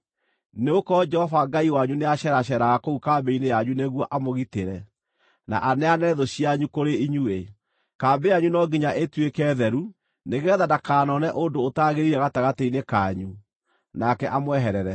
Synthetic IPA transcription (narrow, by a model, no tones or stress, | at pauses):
neokɔd͡ʒɛhɔvaɡaiwaɲuneaɕɛɾaɕɛɾaɣakoukambeinejaɲuneɣwɔʔamoɣiteɾɛ | na̰ʔanɛanɛðoɕiaɲukoɾeiɲue | kaːbejaɲunɔɡiɲaʔetwekɛːðɛɾu | neɣɛðadakaːnɔnɛʔondoːtaɣeɾiɾɛɣataɣateinekaɲu | nakɛʔamwɛɦɛɾɛɾɛ